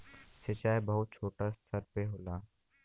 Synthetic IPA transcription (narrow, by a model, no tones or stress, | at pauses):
set͡ʃaːjbəɦʊt̪̚t͡ʃʰoːʈast̪ʰəɾpeɦoːlaː